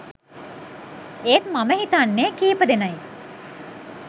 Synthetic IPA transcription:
eːt̪maməɦit̪anːeːkiːpəd̪enaje

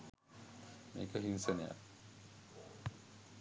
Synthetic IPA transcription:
meːkəɦinseneja̰k

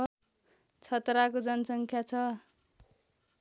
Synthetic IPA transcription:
t͡sʰʌt̪rakod͡zʌnʌsʌŋkʰjat͡sʰʌ

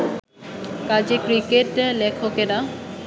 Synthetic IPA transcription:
kad͡ʑekɾikeʈ̚d̪elekʰokeɾa

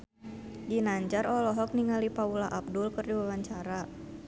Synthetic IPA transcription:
d͡ʒinaɲd͡ʒaɾɔlɔɦɔk̚niŋalipaulaʔap̚dʊlkɨrdiwawaɲt͡ʃaɾa

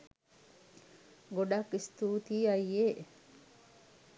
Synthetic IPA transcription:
ɡoɖɐkːist̪uːt̪iːɐjːeː

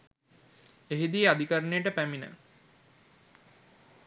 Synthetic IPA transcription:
eɦid̪iəad̪ʱikəɾənejəʈəpæminə̰

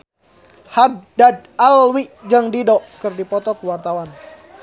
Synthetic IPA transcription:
hadːad̚alwiʔd͡ʒaŋdidɔʔkɨrdipɔt̪ɔkəwart̪awan

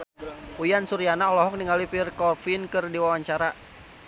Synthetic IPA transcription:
ujansuɾianaɔlɔɦɔk̚niŋɡalipirkɔrfinkɨrdiwawaɲt͡ʃaɾa

